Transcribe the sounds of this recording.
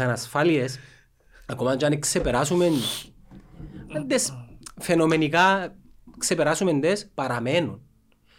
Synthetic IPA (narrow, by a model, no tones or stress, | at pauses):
ɐnɐsfalies | ɐkomɐɲd͡ʒaneksepeɾasumen | ɐnd̪esfenome̞nika | ksepeɾasumend̪espɐɾɐme̞nun